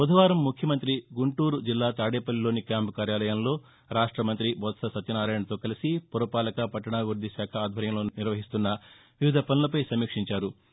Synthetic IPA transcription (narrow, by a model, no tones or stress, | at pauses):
od̪ʱɐʋaːɾɐmːukʰjɐmɐnt̪ɾiɡuɳʈuːɾud͡ʒilːaːt̪aːɽeːpɐlːilo̞ːnikjaːmpkaːɾjaːlɐjɐmlo̞ː | ɾaːʂʈɾɐmɐnt̪̬ɾibʱɔt̪sɐsɐt̪ɐnaːɾaːjɳɐt̪o̞ːkɐlisipuɾɐpaːlɐkɐpɐʈːɐɳaːɡuɾd̪ʱiʃaːkʰɐaːd̪ʱɐɾjɐmlo̞ːniɾʋɐɦist̪unːɐ | ʋiʋid̪ʱɐpɐnɐlɐpɐjsɐmiːkʂiɲt͡ʃaːɾu